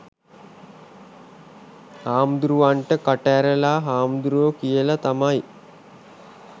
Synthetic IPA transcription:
haːmd̪ɾuʋaɳʈəkɐʈæɾəlaɦaːmd̪ɾuʋəkijəlat̪ɐmaj

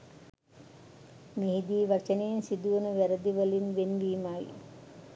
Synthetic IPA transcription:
miɦid̪iːʋɐt͡ʃɐnejunsid̪uʋɐnuʋɛɾɐd̪iʋɐlinʋenʋiːmaːjḭ

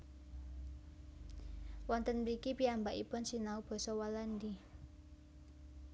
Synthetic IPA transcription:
wɔnt̪ənmɾikipiambaʔipʊnsinaub̥ɔ̤sɔwalandi

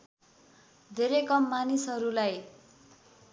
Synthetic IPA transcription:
d̪ʱeɾekʌmːanisɦʌɾulaj

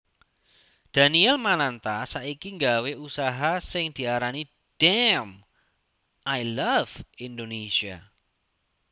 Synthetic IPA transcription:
d̪̥a̤niɛlmanant̪asaʔikiŋɡaweʔusaɦasɪŋd̪̥i̤aɾani | d̥ɛm | ʔajlav̥ind̪onesia̰

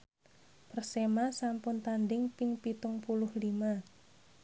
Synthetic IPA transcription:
pərsemasampʊnt̪and̪ɪŋpɪŋpit̪ʊŋpulʊhlima

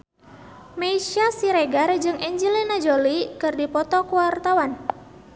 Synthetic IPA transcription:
meiʃasiɾeɡard͡ʒɨŋʔɛɲd͡ʒilinad͡ʒolikɨrdipɔt̪ɔkuwart̪awan

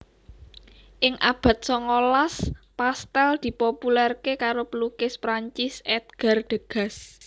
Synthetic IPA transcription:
ʔɪŋʔab̥ä̤t̪̚sɔŋolaspast̪ɛld̪̥i̤populɛrkekaɾopəlukɪspɾaɲt͡ʃɪsɛt̪̚ɡ̥a̤rd̪̥ə̤ɡ̥ä̤s

